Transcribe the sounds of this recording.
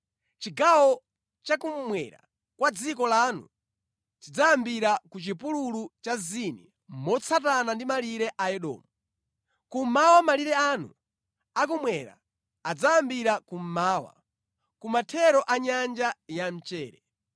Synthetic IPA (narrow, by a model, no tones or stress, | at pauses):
t͡ʃiɡawɔ | t͡ʃakum̩mwɛ̰ɾa̰ | kwad͡zikɔlaːnṵ | t͡ʃid͡zaambiɾakut͡ʃipululut͡ʃazini | mɔt͡sʰatanandimaliɾɛʔajɛɗɔ̰ːmu | kum̩mawamaliɾɛanṵ | ak̬umwɛɾa̰ | ad͡zaambiɾakum̩maːwa̰ | kumatʰɛɾɔʔaɲand͡ʒajam̩t͡ʃɛːɾɛ